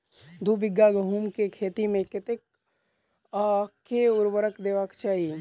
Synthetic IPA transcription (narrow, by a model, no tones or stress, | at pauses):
d̪ʱubɪɡːaɡəɦuːmkekʰeːt̪imẽkɪt̪ɪk̚ | akʰːeʊɾʋəɾəkd̪eːʋakt͡ʃaːɦie